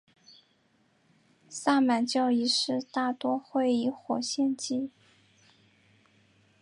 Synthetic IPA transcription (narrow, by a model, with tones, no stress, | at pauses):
sa˥˩ma˨˩nt͡ɕjɑ˥˧ʊi˧˥ʂɻ̩˥˧t̪a˥˩t̪wɔ˥xwe˥˩ɪi˧˥xwɔ˨˩ɕjɛ˥˧nt͡ɕi˥˩